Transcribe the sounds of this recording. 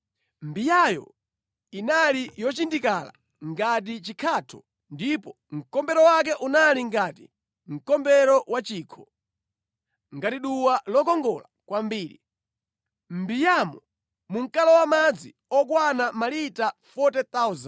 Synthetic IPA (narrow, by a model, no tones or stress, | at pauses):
mbijajɔ̰ | inalijɔt͡ʃindikala̰ | ŋɡat̬it͡ʃikʰatʰɔ | ndipɔ | ŋ̩kɔmbɛɾɔwak̬ɛʔunaliŋɡaːti | ŋ̩kɔmbɛɾɔwat͡ʃiːkʰɔ̥ | ŋɡatiɗuwalɔkɔŋɡɔlakwambiːɾḭ | mbijamɔ | muŋ̩kalɔwamad͡zi | ɔk̬wanamalitafɔtɛt̪azan